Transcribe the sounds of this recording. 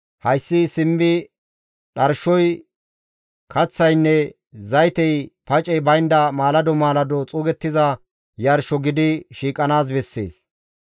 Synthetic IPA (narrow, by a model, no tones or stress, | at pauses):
hɐjsːɪsɪmːɪ | ɗɐɾʃɔj | kʰɐt͡sːɐjnːɛ | zɐjt̪ɛjpɐt͡ʃʼɛjbɐjnd̪ɐmaːlɐd̪ɔmaːlɐd̪ɔt͡sʼʊːɡɛt̪ːɪzɐ | jɐɾʃɔɡɪd̪ɪʃiːkʼɐnaːs̬bɛsːḛːs